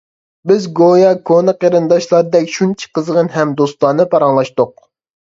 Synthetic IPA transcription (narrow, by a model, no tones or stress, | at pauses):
bɪzɡojɑkʰonɨqeɾɨnd̪ɑʃlˠɑɾɨd̪ɛkʲʃunt͡ʃʰi̥qəzʁənɦɛmd̪ost̪ɑnnɨpʰɑɾɑŋlˠɑʃt̪ʊq̚